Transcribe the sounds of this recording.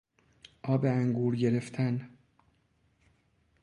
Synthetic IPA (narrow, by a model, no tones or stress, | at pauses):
ʔɒːbeæŋɡuːɾɟe̞ɾe̞ft̪ʰæn